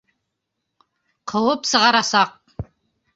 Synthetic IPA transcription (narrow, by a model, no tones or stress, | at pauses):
qʰɤ̆wəpsə̆ʁɑɾɑsɑq̚